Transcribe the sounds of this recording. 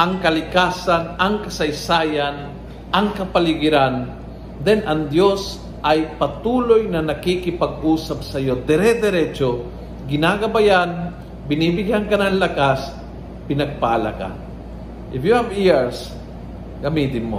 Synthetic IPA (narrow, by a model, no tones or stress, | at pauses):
ʔɐŋkɐlɪkaːsanɐŋkɐsɐjsaːjan | ʔɐŋkɐpalɪɡɪɾan | d̪ɛnʔɐŋd̪jos | ʔɐjpɐt̪uːlojnɐnɐkikɪpɐɡ̚ʔuːsap̚sɐjod̪ɛɾɛd̪ɛɾɛt͡ʃo | ɡɪnaɡɐbajan | bɪniːbɪɡankɐnɐŋlakas | pɪnɐɡ̚paʔala̰ka̰ | ʔɪfjuhaviɹs | ɡɐmid̪ɪnːo